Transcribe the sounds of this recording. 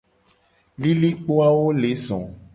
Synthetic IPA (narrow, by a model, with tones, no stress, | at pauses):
li˦li˦k͡po˦a˦wo˦le˨˦zɔ̃˨